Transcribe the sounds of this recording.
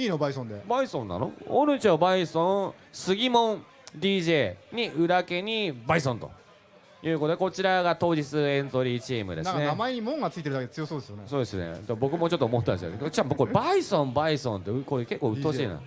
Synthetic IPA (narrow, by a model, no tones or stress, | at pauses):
iːnobaisõnd̪ebaisõ̞nːa̰no̰o̰ɾɯ̟t͡ɕobaisõɰ | sɨɡʲimõ̞n | d̪ʲiːʑe̞ːɲ̟iʔɯ̟ɾake̞ɲ̟ibaisõnt̪o̞̰ | jɯ̟ːkot̪oeko̞t͡ɕiɾaɡat̪o̞ːd͡ʑit͡sɨẽ̞nzo̞ɾʲiːt͡ɕiːmɯ̟d̪e̞snãkanenamaeɲimõ̞ŋɡat͡sɨit̪eɾ̟akedet͡sɨjo̞soːd̪esɨjoneso̞ːd̪e̞sɨne̞̰d͡ʑabo̞kɯ̟mo̞t͡ɕo̞t̪ːomot̪ːd̪esjo̰kt͡ɕãkoɾebaisõmbaisõ̞nt̪ːekoɾeke̞kːoːɯ̟t̪oɕiːnã̰